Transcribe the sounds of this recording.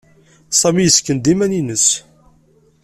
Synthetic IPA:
sˤɑmijəskənd̪imæninəs

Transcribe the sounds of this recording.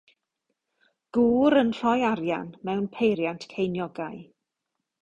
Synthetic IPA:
ɡ̥uːɾənɬɔjaɾja̰nmɛwnpʰejɾjantʰkʰejnjɔɡaj

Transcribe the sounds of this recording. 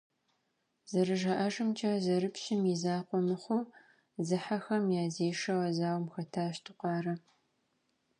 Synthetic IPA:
z̥ɐrɨʒɐʔɐʒɨmt͡ʃʰʼɐzɐrɨpɕɪmizaːqʷɔmɨχʷo | zɨħaxɐmjaːzeːʂɐwɐzaːwmxɐtʰaːɕtʰɨqʷɑːrɐ

